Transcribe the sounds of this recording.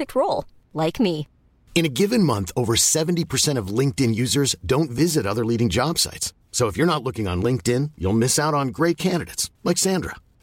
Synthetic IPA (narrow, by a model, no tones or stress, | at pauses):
ɨk̚t̚ʰɹoʊlˠ | laɪkmi | ɨ̃ñɨɡɪvɨ̃nmʌ̃nθoʊvə˞sɛṽn̩tipʰə˞sɛ̃ɾ̃ʌvlɪ̃ŋk̚tɪ̃njʉzə˞zdõʊ̃ntvɪzɨɾʌðə˞liɾɪ̃ŋd͡ʒɑb̥sa̰ɪtsː | oʊəfjə˞nətˡlʊkɪ̃ŋə̰̃nlɪ̃ŋk̚tɪ̃njṵlˠmɪsaʊɾn̩ɡɹeɪt̚kʰæ̃ndɨɾḛɪtslaɪksæ̃ndɹə̰